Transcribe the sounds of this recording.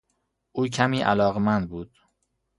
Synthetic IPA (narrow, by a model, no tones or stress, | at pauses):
ʔuːcʰæmiːʔælɒːɣemænd̪̚buːd̪̥